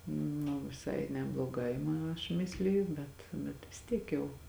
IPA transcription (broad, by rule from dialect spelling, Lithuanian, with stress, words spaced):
nʊ ʋʲɪˈsɐɪ nʲɛblˠoːˈɡɐɪ mɐ ɐʃ ˈmʲɪsʲlʲɪjʊ ˈbʲɛt bʲɛt ʋʲɪs ˈtʲiɛk jɛʊ